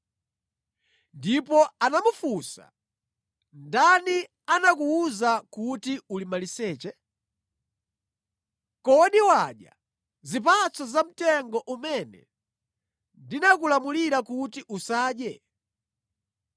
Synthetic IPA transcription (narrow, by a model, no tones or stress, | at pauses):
ndipɔanamufusa̰ | ndani | anakuuzakutiulimalisɛːt͡ʃɛ | kɔɗiwaɗja | zip̬at͡sʰɔzam̩tɛŋɡɔʔumɛnɛ̰ | ndinakulamuliɾakutiʔusaːɗjɛ